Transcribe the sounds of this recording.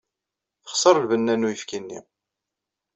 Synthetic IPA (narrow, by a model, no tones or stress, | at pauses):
θə̥χsˤəɾˤlvənːænːujəfkinːḭ